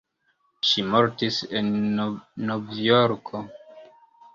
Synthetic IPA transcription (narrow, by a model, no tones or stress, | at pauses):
ʃimoɾtisennovjoɾkʰo